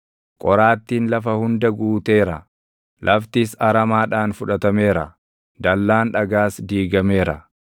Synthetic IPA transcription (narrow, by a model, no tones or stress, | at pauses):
kʼɔɾaːt̪ːiːnlɐfɐhʊnd̪ɐɡuːt̪e̞ːɾɐ | lʔɐft̪iːsɐɾɐmaːᶑaːnfʊᶑɐt̪ɐme̞ːɾɐ̰ | d̪ɐlːaːnᶑɐɡaːsd̪iːɡɐme̞ːɾɐ̰